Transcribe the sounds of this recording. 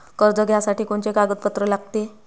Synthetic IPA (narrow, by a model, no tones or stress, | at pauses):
kəɾd͡zəɡʱjasaʈiːkoɳt͡ɕekaɡət̪̚pət̪ɾəlaɡt̪e